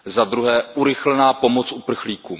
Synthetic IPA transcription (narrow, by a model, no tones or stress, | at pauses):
zad̪ɾuɦɛːʔuɾɪxlɛnaːpo̞mo̞t͡sʔupr̩xliːkuː